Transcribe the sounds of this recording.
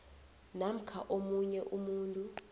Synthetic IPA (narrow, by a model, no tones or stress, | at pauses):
nam̩kʰaʔomuɲɛʔumuːntʼu